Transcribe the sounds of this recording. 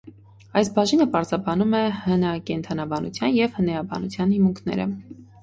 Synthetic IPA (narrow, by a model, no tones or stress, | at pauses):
ɑjsbɑʒinəpɑɾzɑbɑnumɛhənɑkɛnt̪ʰɑnɑbɑnṵt͡sʰjɑnjɛvhənɑjɑbɑ̰nut͡sʰjɑnhimuŋkʰnɛ̰ɾə̰